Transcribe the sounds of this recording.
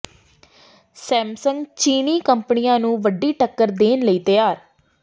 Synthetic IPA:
sɛ̃ːmsəŋɡt͡ʃiːniːkəmpənijãːnũːʋəɖːiːʈəkːəɾd̪eːnləiːt̪əjaːɾ

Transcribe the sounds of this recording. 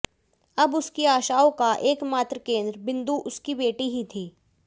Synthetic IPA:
ɐbʊskiaːʃaːokaʔeːkmaːt̪ɾəkẽːnd̪ɾbɪ̃nd̪uʔʊskibeːʈiɦit̪ʰiː

